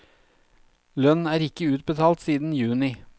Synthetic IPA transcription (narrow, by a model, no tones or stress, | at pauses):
lœnæːɾɪkəʉːt̪̚bət̪ʰɑːlt̪siːd̪n̩jʉːnɪ